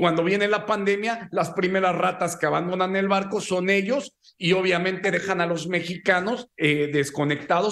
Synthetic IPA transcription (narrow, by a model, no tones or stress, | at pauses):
kwand̪oβje̞nelapand̪e̞mjalaspɾime̞ɾasrat̪aske̞aβand̪o̞nanelβaɾkoso̞ne̞ʝo̞s | io̞β̞jamẽ̞nt̪e̞ðe̞xanalo̞zme̞xikano̞zeðe̞sko̞ne̞k̚t̪aðo̞